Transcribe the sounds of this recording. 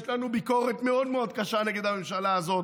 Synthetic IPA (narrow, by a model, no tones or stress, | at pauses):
ʃlanubiko̞ʁet̪meo̞d̪meo̞d̪̚kaʃaneɡed̪hame̞mʃalaːzo̞t